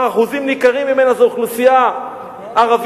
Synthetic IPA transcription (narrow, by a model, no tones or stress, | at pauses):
aχuzimnikaʁimːime̞nazeuχlusijaː | ʁav